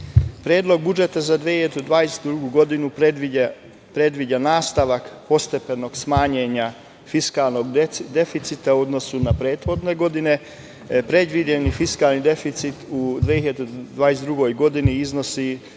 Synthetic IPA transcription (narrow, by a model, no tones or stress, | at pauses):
pɾjeːd̪lo̞ɡ̚bud͡ʒe̞t̪azad̪ʋehiʎad̪od̪ʋaːjest̪d̪ɾuɡuɡo̞d̪inu | pɾe̞d̪ʋid͡ʒanaːst̪aʋakpo̞st̪e̞peno̞ɡsmaːɲeɲa | fiskaːlˠno̞ɡd̪e̞fit̪sit̪auo̞d̪no̞sunapɾe̞ːt̪xo̞d̪ne̞ɡo̞d̪ine̞ | pɾe̞d̪ʋid͡ʒe̞nifiskaːlnid̪efit̪sit̪ud̪ʋehiʎad̪od̪ʋaːjesd̪ɾuɡo̞jɡo̞d̪iniizno̞si